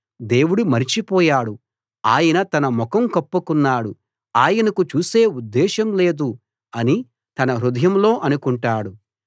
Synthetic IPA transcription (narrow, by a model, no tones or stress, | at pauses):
d̪e̞ːwuɽumɐɾit͡ʃipɔːjaːɽu | aːjɐnɐt̪ɐnɐmɔkɐmkɐpːukunːaːɽu | aːjɐnɐkut͡ʃuːse̞ːud̪ːɛːʃɐmle̞ːd̪u | ɐni | t̪ɐnɐɾud̪ɐjɐmlo̞ːʔɐnukuɳʈaːɽu